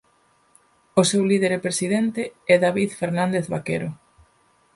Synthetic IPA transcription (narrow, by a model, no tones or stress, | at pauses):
osewliðeɾepɾesiðent̪eɛðaβiðfeɾnãnd̪eθβakeɾo